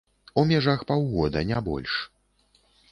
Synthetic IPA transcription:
umʲaʐaxpawɣɔd̪ɐnʲabɔ̰lʲʂ

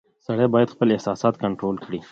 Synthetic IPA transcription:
sɐɽebaːjəd̪xpəlɪhsɑːsɑːt̪kɐɳʈɾoːlkɽi

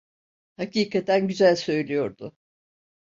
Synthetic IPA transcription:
haciːkʰat̪ʰænɟyzælʲsø̞jlʲijo̞ɾd̪ʊ

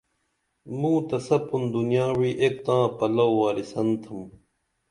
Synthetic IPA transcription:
mũːt̪ɐsɐpund̪unjaːwiːʔek̚t̪ãːpɐlɐwwaːlisɐnt̪ʰɐm

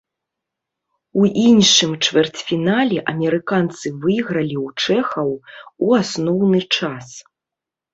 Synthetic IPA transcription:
uʔinʂɨmt͡ʂvʲɛrt͡sʲfʲinalʲɛʔɐmʲɛɾɨkant̪sɨvɨjɣɾɐlʲiwt͡ʂɛxɐwuasnɔwnɨt͡ʂas

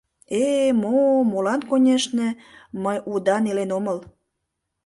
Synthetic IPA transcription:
emomolɑnkonʲeʃnĕməjud̪ɑnelenoməl

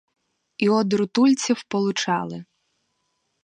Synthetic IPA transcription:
iɔd̪ɾʊt̪ulʲt͡sʲiwpɔlˠʊt͡ʃɑ̰lˠɪ

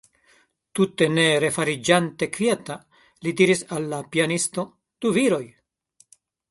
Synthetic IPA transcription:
tute̞ne̞ɾe̞faɾid͡ʒante̞kvjeta | lidiɾisalːapianisto̞ | d̥uviɾo̞j

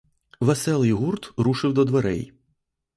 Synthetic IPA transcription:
ʋɐsɛlˠɪjɦurt̪ɾuʃɪwd̪ɔd̪ʋɐɾɛ̰j

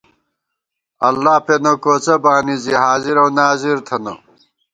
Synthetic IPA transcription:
ɐlːaːpenokoːt͡sɐbaːniziɦaːziɾɐwnaːziɾt̪ʰɐno̰

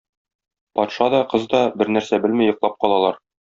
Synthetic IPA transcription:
pɒt̪ʃɑd̪ɒqɤzd̪ɒbɘɾnæɾsæbɘlmijŏqlˠɑp̚qɒlˠɑlˠɑɾ

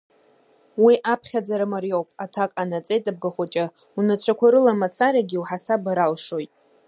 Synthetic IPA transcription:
wiʔapʰχʲad͡zaɾɨmarjo̞wpʼatʰakʼanat͡sʼe̞jtʼab̚ɡaχʷat͡ʃʼa | unat͡ɕʷʰakʷʰaɾɨlamat͡sʰaɾaɡʲiwħasabaɾalʂo̞jtʼ

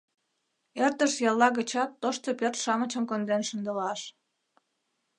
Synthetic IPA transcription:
ert̪əʃjɑlːɑɣət͡ɕɑt̪ːoʃt̪opørt̪ʃɑmət͡ɕəmkond̪enʃənd̪əlɑʃ

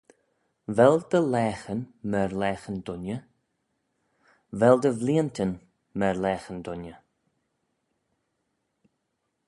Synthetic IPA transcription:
vɛld̪̥əlɛːxənmɛɹlɛːxənd̪ʊnə | vɛld̪əvliːənt̪ʰən | mɛɹlɛːxənd̪ʊnjə

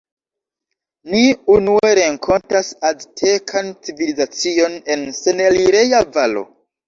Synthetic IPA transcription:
niunue̞ɾe̞ŋkʰo̞ntasaztʰe̞kʰant͡sivilizat͡sio̞ne̞nse̞neliɾe̞javalo̞̰

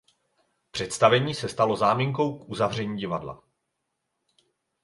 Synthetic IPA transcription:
pr̝̥ɛt̪st̪avɛɲiːsɛst̪alo̞zaːmiŋko̞wkʔuzavr̝ɛɲiːɟɪvadla̰

